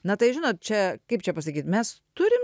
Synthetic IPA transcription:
nɐt̪ɐɪʒʲɪnoːt̪̚t͡ʃʲɛkɐɪp̚t͡ʃʲɛpɐs̬ɐkʲiːt̪mʲɛst̪ʊɾʲɪm

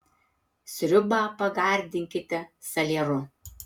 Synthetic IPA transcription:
sʲɾʲʊbɑːpɐɡɑˑɾʲd̪ʲɪŋʲkʲɪt̪ʲɛsɐlʲeːɾʊ

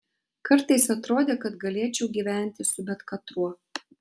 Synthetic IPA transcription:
kɐɾt̪ɐɪsɐt̪ɾoːd̪ʲeːkɐt̪ɡɐlʲeɛt͡ʃʲɛʊɡʲiːʋʲæˑnʲt̪ʲɪsʊbʲɛt̪kɐt̪ɾuɔ

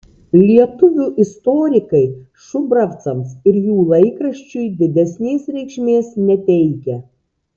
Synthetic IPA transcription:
lʲiɛt̪ʊʋʲuːʔɪst̪ɔːɾʲɪkɐɪ | ʃʊbɾɐft̪sɐmsɪɾjuːlˠɐɪkɾɐʃʲt͡ʃʲʊjd̪ʲɪd̪ʲɛsʲnʲeːsɾʲɛɪkʃʲmʲeːsnʲɛt̪ʲɛɪkʲɛ

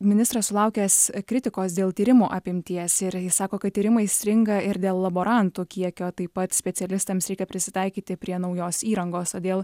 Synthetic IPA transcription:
mʲɪnʲɪst̪ɾɐssʊlˠɐʊkʲɛskɾʲɪt̪ʲɪkoːsd̪ʲeːlˠt̪ʲiːɾʲɪmuʔɐpʲɪmʲt̪ʲiɛsɪɾjɪssɑːkoːkɐt̪̚t̪ʲːiːɾʲɪmɐɪsʲɾʲɪŋɡɐɪɾd̪ʲeːlˠlˠɐboːɾʔɐnt̪ukʲiɛkʲoːt̪ɐɪpːɐt̪sʲpʲɛsʲɛlʲɪst̪ɐmsɾʲɛɪkʲɛpʲɾʲɪsʲɪt̪ɐɪkʲiːt̪ʲɪpʲɾʲiɛnɐʊjoːsiːɾɐŋɡoːst̪oːd̪ʲeːlˠ

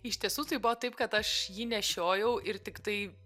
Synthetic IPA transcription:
ɪʃʲt̪ʲiɛsuːt̪ɐɪbʊʋɐt̪ɐɪpkɐt̪ɐʃjiːnʲɛʃʲoːjɛʊʔɪɾt̪ʲɪkt̪ɐɪ

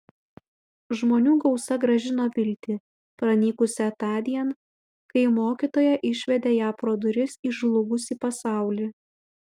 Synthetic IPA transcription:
ʒmoːnʲuːɡɒʊsɐɡɾɐʒʲɪnoːʋʲɪlʲt̪ʲɪ | pɾɐnʲiːkʊsʲɛt̪ɑːd̪ʲiɛn | kɐɪmoːkʲit̪oːjɛʔɪʃʲʋʲɛd̪ʲeːjɑːpɾoːd̪ʊɾʲɪsiʒlˠʊɡʊsʲiːpɐsɑˑʊlʲiː

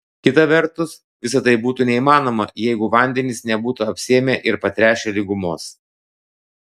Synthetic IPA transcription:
kʲɪt̪ɐʋʲɛɾˑt̪ʊs | ʋʲɪsɐt̪ɐɪbuːt̪uːnʲɛimɑːnoːmɐjɛɪɡʊʋɐnʲd̪ʲɛnʲɪsnʲɛbuːt̪uɐpʲsʲiɛmʲeːʔɪɾpɐt̪ʲɾʲæːʃʲelʲɪɡʊmoːs

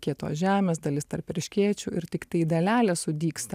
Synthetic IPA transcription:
kʲiɛt̪o̰ːʒʲæːmʲeːsd̪ɐlʲɪst̪ɐɾpʲɾʲɪʃʲkʲiɛt͡ʃʲuɪɾt̪ʲɪkt̪ɐɪd̪ɐlʲæːlʲeːsʊd̪ʲiːkst̪ɐ

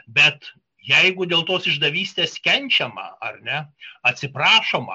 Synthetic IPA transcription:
bʲɛt̪ | jɛɪɡʊd̪ʲeːlˠt̪oːsɪʒd̪ɐʋʲiːsʲt̪ʲeːskʲɛnʲt͡ʃʲɛmɐ̰ɐrnʲɛɐt̪ʲsʲɪpɾɑːʃoːmɐ̰

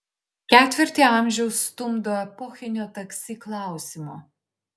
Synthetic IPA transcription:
kʲæːt̪ʲʋʲɪɾʲt̪ʲiɐˑmʲʒʲɛʊsːt̪ʊmd̪oːɛpɔːxʲɪnʲoːt̪ɐksʲiːklˠɑˑʊsʲɪmo

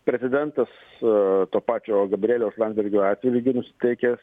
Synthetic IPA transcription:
pʲɾʲɛzʲɪd̪ʲɛnt̪ɐs | t̪oːpɑːt͡ʃʲoːɡɐbʲɾʲeːlʲoːslˠɑnd̪ʲbʲɛɾʲɡʲoːɑːt̪ʲʋʲɪlʲɪɡʲɪnʊsʲɪ̥t̪ʲɛɪkʲe

